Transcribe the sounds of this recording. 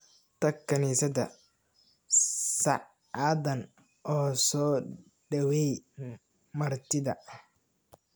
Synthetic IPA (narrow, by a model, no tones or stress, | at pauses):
t̪ʰɐkʰːɐniːsɐdɐ̰ | sɑ̰ʔ | ɑðɐn | ʔɔːsɔː | ɖɐwɛj | mɐrt̪ʰɪðɐ